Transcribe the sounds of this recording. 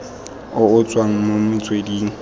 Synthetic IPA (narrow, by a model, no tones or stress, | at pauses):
ʊʊt͡sʼwaŋ̩momʊt͡sʼwediːŋ̩